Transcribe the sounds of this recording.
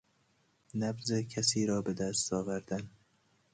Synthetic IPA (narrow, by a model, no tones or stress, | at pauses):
næbzekʰæsiːɾɒːbed̪æst̪ɒːvæɾd̪æn